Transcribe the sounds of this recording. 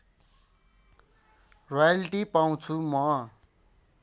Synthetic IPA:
rojaliʈipaw̃t͡sʰumʌ

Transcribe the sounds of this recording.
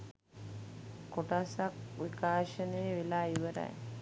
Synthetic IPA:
koʈasakʋikaːʃənəjəʋelaːiʋəɾa̰j

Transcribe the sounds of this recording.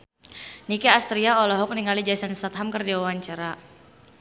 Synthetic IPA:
nikɛast̪ɾiaɔlɔɦɔk̚niŋalid͡ʒasanst̪at̪̚ɦamkərdiwawaɲt͡ʃaɾa

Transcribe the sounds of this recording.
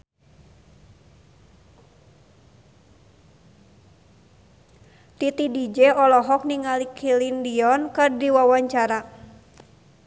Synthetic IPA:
t̪it̪idid͡ʒɛɔlɔɦɔk̚niŋalikʰilindiɔnkɨrdiwawaɲt͡ʃaɾa

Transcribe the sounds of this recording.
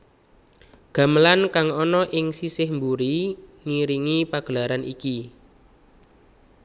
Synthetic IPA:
ɡ̥a̤məlankaŋɔnɔʔɪŋsisɪhmbuɾiŋiɾiŋipaɡ̥əlaɾanʔiki

